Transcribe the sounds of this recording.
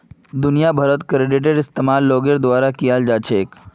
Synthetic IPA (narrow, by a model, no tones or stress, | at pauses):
d̪ʊnijabʱɐɾət̪kɾeɖɪʈ̬eɖɪst̪emaːlːoːɡeɾd̪ʋaːɾakijald͡ʒat͡ʃʰeːk